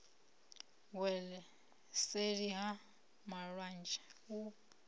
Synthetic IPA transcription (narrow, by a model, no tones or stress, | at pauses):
wɛlɛ | seɾiɦa | maɺwand͡ʒʼɛ̥u